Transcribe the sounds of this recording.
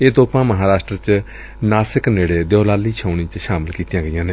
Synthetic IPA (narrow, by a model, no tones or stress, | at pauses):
eːt̪oːpãːməɦaːɾaːʃʈɾət͡ʃ | naːsɪkneːɽeːd̪jɔːlaːliːt͡ʃʰəːɳ̃iːt͡ʃʃaːmɪlkiːt̪jãːɡəjãːneː